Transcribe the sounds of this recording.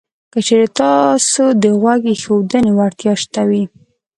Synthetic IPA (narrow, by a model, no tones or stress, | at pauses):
kət͡ʃeɾet̪ɑsod̪əɣwaɡexowd̪ənewaɾt̪jɑʃt̪awi